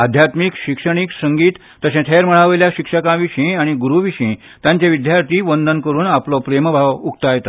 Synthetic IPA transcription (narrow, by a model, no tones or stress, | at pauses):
ad̪ʱjat̪mikɕikʂəɳ̃iksəŋɡiːt̪ːəɕẽt̪ʰeɾməɭaʋəjljaɕikʂəkãʋiɕĩaɽ̃iɡuɾuʋiɕĩ | t̪jãɲt͡ɕaʋid̪jaɾt̪iːʋənd̪ənkəɾuːnaplɔpɾeməbʱaʋukt̪ajet̪a